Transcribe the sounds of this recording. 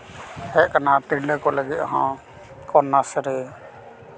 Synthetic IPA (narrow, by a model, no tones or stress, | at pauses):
hɛkanat̪iɽlɛkɔləɡit̪aɦã | kɔnːasɛɾɛ